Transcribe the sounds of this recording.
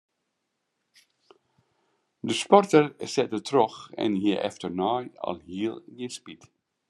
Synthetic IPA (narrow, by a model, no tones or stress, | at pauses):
d̪əspɔɹtəɹsɛt̚ətʰɾɔxɛ̰̃nhiːʔɛ̰ftəɹnɑjɑ̰lhiːlˠɡespid̥